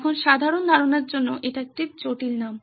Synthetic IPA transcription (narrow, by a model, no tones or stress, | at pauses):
kʰonʃad̪ʱaɾond̪ʱaɾoneɾd͡ʑonːoʔeʈaek̚ʈit͡ɕoʈilnam